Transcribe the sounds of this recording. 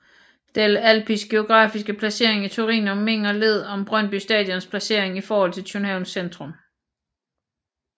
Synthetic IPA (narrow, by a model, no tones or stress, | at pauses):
d̥elælpʰisɡ̥e̝o̝ɡ̥ʁɑ̈ːfisɡ̥əpʰlæse̝ɐ̰e̝ŋit͡sʰuʁḭːnɒ̽mːe̝ŋ̰ɒle̝ð̞̰ˠɒ̽mb̥ʁœn̰b̥ysd̥ɛ̰ːd̥ˠjɒnspʰlæse̝ɐ̰e̝ŋifɒːhɒ̽l̰t͡sʰe̝lt͡sʰynhɛʊnsend̥ʁɔ̽m